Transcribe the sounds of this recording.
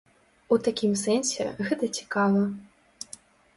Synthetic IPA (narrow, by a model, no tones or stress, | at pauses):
ut̪akʲimsɛnsʲɛ̰ɣɛt̪ɐt͡sʲi̥kavˠɐ